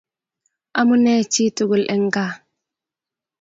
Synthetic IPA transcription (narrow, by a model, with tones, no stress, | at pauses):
ʔa˦mu˦ne˦t͡ʃi˦tu˨ɡu˨lʔɛ˦ŋɡa˦˨